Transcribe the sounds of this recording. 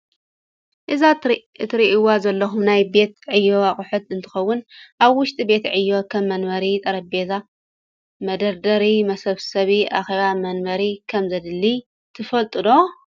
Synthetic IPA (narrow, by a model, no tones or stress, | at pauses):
ʔɨza | ɨt̪ʰɨɾiʔiwazɐlːɐxumnajbe̞t̪ʕɨjːo̞aχʼʊħɨt̪ɨnt̪ʰɨ̥xɐwːʊnʔaβwʊʃt̪ʼibe̞t̪ʕɨjːo̞kʰɐmːɐnmɐɾit̪ʼɐɾɐbet̪ʰa | mɐd̪ɐɾd̪ɐɾimɐsɐβsɐβiʔa̰xeβamɐnbɐɾikʰɐmzɐd̪ɨlːi | t̪ʰɨfɐlt̪ʼɨdo̞